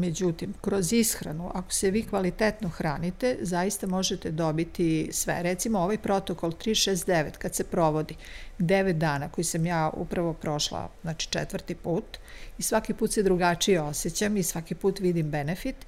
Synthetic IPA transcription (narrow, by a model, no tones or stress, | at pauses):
med͡ʑut̪imkɾozisxɾa̰nuʔako̥seʋiːkʋalit̪et̪noxɾaːnit̪ezajist̪amo̞ʒet̪ed̪o̞bit̪isʋḛɾɛt̪simooʋajpɾo̞t̪okolˠt̪ɾiːʃeːst̪̚d̪eʋet̪kad̪sepɾo̞ʋo̞d̪id̪eʋet̪̚d̪aːnako̞jisamjaːṵpɾaʋo̞pɾo̞ʃlˠa̰znaːt͡ʃi̥t͡ʂɛ̰t̪ʋəɾt̪ipuːt̪isʋakipuːt̪se̞d̪ɾuɡat͡ʂijeo̞set͡ɕamisʋakipuːt̪ʋid̪imbenefit̪